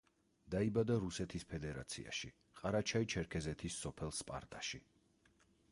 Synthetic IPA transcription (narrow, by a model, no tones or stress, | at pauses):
d̪̥aibad̪aɾusɛt̪ʰispʰɛd̪ɛɾa̰t̪sʰḭa̰ʃi | qʼaɾat͡ʃʰait͡ʃʰɛɾkʰɛzɛt̪ʰisːɔpʰɛlˠspʼa̰ɾt̪ʼaʃi